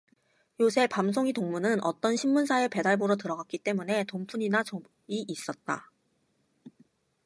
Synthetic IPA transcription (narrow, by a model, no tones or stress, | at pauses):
josʰe̞pamsʰoŋitoŋmunɯnʌt͈ʌnɕʰimːunsʰaepe̞daɭboɾotɯɾʌɡak͈it͈e̞mune̞tompʰuɲinat͡ɕo | iʔis͈ʌt̚t͈a̰